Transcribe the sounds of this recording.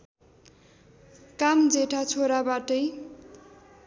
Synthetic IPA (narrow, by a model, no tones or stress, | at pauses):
kamd͡zeʈʰat͡sʰoɾabaʈʌj